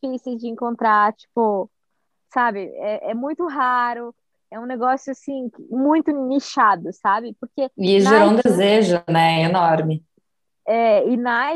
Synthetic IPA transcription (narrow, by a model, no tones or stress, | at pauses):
ifisejzd͡ʒɪẽŋkõnt̪ɾat͡ʃi̥pʊ | sabɪɛʔɛmũj̃t̪ʊɦaɾʊ | ɛũneɡɔsjʊasĩkmũj̃t̪ʊniʃad̪ʊsabɪpʊɾkeɪsʒeɾoũd̪ezeʒʊnɛenɔɾmɪ | ɛɪna